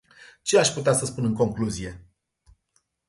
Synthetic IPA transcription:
t͡ʃe̞aʃʲput̪easəspunɨŋko̞ŋkluzije̞

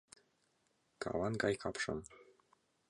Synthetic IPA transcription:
kɑ̰wɑnɡɑjkʰɑpʃɤ̰̆m

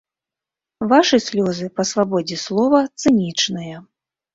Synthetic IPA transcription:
vaʂɨsʲlʲɔzɨpɐsvabɔd͡zʲɛslˠɔvɐt̪sɨnʲit͡ʂnɨjɐ

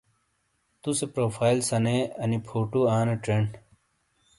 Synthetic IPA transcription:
t̪usepɾoːpʰaːilsɐneɐnipʰoːʈuaːneʈɾeɳɖ

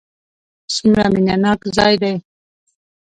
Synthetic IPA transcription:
sumɾa̰minanɑːkzɑːjd̪aj

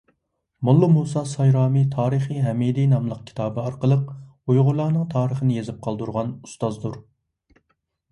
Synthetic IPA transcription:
mulˠːumusɑsɑjɾɑːmit̪ʰɑːɾɨχiɦɛmid̪inɑmlˠəq̚kʲʰi̥t̪ʰɑːbɨɑɾqəlˠəq | ujʁʊlˠɑːnɨŋt̪ʰɑːɾəχənɪjezɪp̚qʰɑlˠd̪uɾʁɑnu̥st̪ɑzd̪uɾ

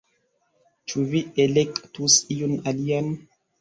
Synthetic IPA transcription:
t͡ʃuvielekʼt̪usijunalian

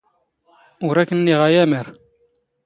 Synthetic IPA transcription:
ʊɾækːənːiʁæjæməɾ

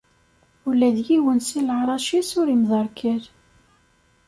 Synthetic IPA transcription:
ʊlːæðjiwənsilʕɾˤɑʃisʊɾimðˤɑɾˤkʰæɾ

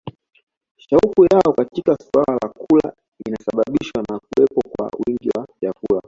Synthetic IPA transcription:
ʃaukujaɔkatikaswalalakula̰ | inasaɓaɓiʃwanak̚uɛpɔkwa̰wiŋɡiwaʄavula

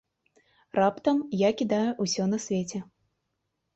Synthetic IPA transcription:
rapt̪ɐmjakʲid̪ajuʔusʲɔnɐsʲvʲet͡sʲɛ

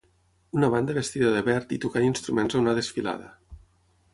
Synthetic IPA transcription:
unaβand̪əβest̪iðəðeβɛɾt̪it̪ukaninst̪ɾumenzaunaðesfila̰ðə

